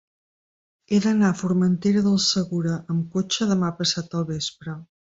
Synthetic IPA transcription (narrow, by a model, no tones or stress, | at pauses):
eðənafuɾmənt̪eɾəðəlˠsəɣuɾəʔːmkot͡ʃəðəmapəsat̪̚əlˠβespɾə